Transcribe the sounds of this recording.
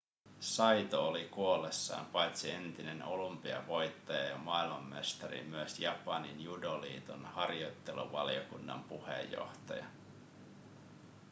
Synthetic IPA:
sɑjt̪oolikuolːesːɑ̰ːmpɑjt̪sie̞nt̪ineno̞lumpiɑ̰ʋo̞jt̪ːɑjɑjɑmɑilmɑmːḛst̪ɑɾḭmyøsjɑpɑninjudolḭːt̪onhɑrjo̞jt̪ːe̞lṵʋɑliokunːɑ̰mpuhḛjːo̞̰ht̪ɑjɑ

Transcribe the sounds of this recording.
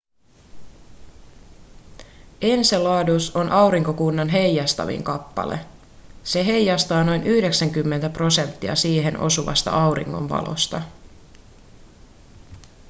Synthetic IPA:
e̞nselɑːduso̞nʔɑwɾiŋkokunːɑnɦe̞jɑst̪ɑ̰ʋḭŋkɑpːɑ̰le̞̰ | se̞ɦe̞jjːɑst̪ɑːno̞jnʔyhde̞ksæŋkymːe̞nt̪æpro̞se̞nt̪ːiɑ̰siːɦe̞nʔo̞̰suʋɑ̰st̪ɑ̰ʔɑwɾḭŋːo̰ɱʋɑ̰lo̞̰st̪ɑ

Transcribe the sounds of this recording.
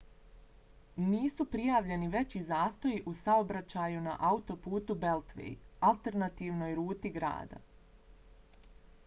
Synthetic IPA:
niːsupɾijaːʋʎe̞niʋe̞t͡ɕizaːst̪o̞jiʔusaobɾat͡ɕajuna̰ʔaut̪o̞puːt̪ube̞lˠt̪ʋḛjalˠt̪e̞ɾnat̪iːʋno̞ːjɾuːt̪iɡɾa̰ːd̪a̰

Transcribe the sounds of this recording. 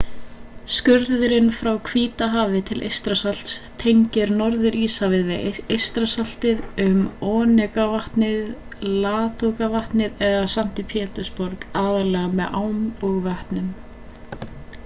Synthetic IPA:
skʏɾðɪɾɪnfɾawkʰviːt̪aɦaːvɪt̪ʰɪlʔḛjst̪ɾasal̥t̪st̪ʰejɲcɪɾnɔɾðɪɾiːsavɪðvɛejst̪ɾasal̥t̪ɪðʏmɔːnɛkavaht̪nɪð | laːt̪ʰokavaht̪nɪðɛðasan̥t̪ɪpʰɛːt̪ʏɾ̥spɔɾkaːðalɛɣamɛðʔaːwmɔɣvɛht̪nʏm

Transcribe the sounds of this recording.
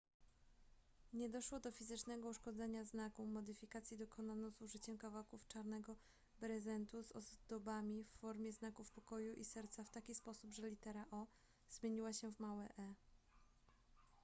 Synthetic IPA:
ɲɛd̪ɔʂwɔd̪ɔfʲizɘt͡ʂnɛɡɔuʂkɔd̪zɛɲaznakumɔd̪ɘfʲikat̪sʲjid̪ɔkʰɔnanɔ̃zuʐɘt͡ɕɛmkavawkuft͡ʂaɾnɛɡɔ | bɾɛzɛnt̪uzɔ̰zd̪ɔbamʲifːɔɾmʲjɛznakufpɔkɔjuʔisɛɾt̪saft̪akʲispɔsubʐɛlʲit̪ɛɾaʔɔ | z̥mʲjeɲiwaɕɛvmawɛʔɛ

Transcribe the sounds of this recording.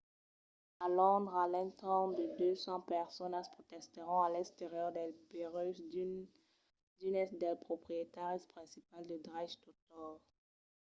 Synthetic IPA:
alɔ̃d̪ʁalɛ̃nt̪ɑ̃d̪əd̪øsɑ̃pɛʁsɔnaspχot̪ɛst̪əʁɔ̃alɛ̃kst̪eʁjœʁd̪ɛlbeʁøs | d̪ynɛsd̪ɛlpχopχijet̪aʁispχɛ̃sipald̪əd̪ʁaʃt̪ot̪ɔʁ

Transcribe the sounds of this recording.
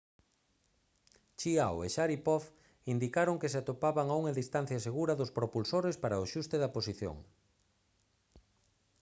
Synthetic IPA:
t͡ʃiawḛʃaɾipɔf | ind̪ikaɾoŋkes̬eat̪opaβaŋauŋaðist̪an̟θjɐseɣuɾɐðʊspɾopulsoɾespaɾaoʃust̪eðɐposiθjo̰ŋ

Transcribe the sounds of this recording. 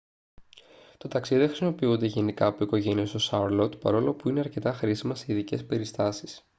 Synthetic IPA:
t̪o̞t̪ɐksiðiðexɾisimo̞piund̪e̞ʝe̞nikɐːpoiko̞ʝe̞nie̞st̪o̞sɐɾlo̞t̪pɐ̰ɾo̞lo̞puineɐɾce̞t̪ɐxɾisimɐseiðice̞spe̞ɾist̪ɐsi̥s

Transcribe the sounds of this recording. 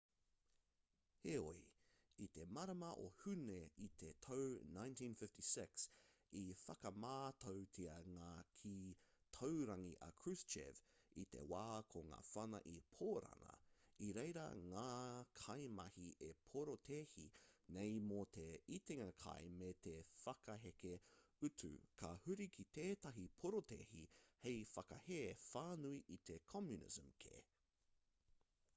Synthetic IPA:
heo̰i | it̪emɐɾɐmɐʔohʉneit̪ʰet̪ʰownãjntʰĩnfɪftisɪks | ifɐkɐmaːt̪ʰowtʰiɐŋaːkʰitʰowɾɐŋiʔɐ̰kʰɹʉst͡ʃḛvit̪e̞̰waːkʰoŋa̰ːfɐnɐ̰ʔipʰoːɾɐ̰ŋɐ̰iɾejɾɐ̰ŋaːkʰɐjmɐhiʔepʰoɾot̪ʰeːhinejmot̪ʰeit̪eŋɐkʰɐ̰jmet̪ʰefɐkɐɦekeʉtʰʉ̰kʰɐhʉɾikʰit̪eːt̪ɐɦipʰoɾotʰḛhihejfɐkɐheːfaːnuiʔit̪ʰekʰɔmjunɪ̰zəmkʰḛː

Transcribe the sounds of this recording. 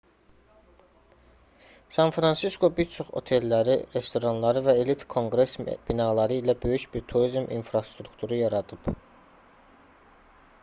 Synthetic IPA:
sɑnfɾɑnsiskʰo̞biɾt͡ʃʰo̞χo̞̰t̪ʰe̞lːæɾiɾe̞st̪o̞ɾɑnlˠɑɾɯvæelit̪kʰo̞ŋɡɾe̞sb̥inɑːlˠɑɾɯilæbø̞jyʃbiɾt̪ʰuɾizmḭnfɾɑst̪ɾukt̪ʰuɾujɑɾɑd̪ɯb̥

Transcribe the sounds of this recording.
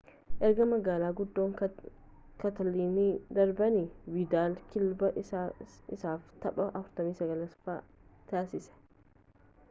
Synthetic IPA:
ʔɛɾɡɐmɐɡaːlaːɡʊd̪ːo̞ːŋ | kɐt̪ɐliːnid̪ɐɾbɐnɪwɪd̪aːlkɪlbɐ | ɪsaːft̪ɐɓɐʔɐfʊɾt̪ɐmiːsɐɡɐlɐsfa | t̪aːsɪsɛ̥

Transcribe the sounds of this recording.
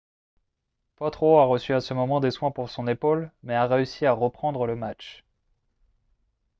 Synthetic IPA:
pɔt̪χoaʁəsyasəmɔmɑ̃d̪eswɛ̃puʁsɔ̃nepolmɛaʁeysiaʁəpχɑ̃d̪ʁələmat͡ʃ

